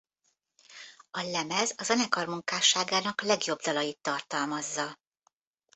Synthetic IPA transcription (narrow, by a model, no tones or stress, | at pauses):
ɒlɛmɛzɒzɛnɛkɒrmuŋkaːʃaːɡaːnɒklɛɡjo̞bd̪ɒlɒjit̪ːɒrt̪ɒlmɒzːɒ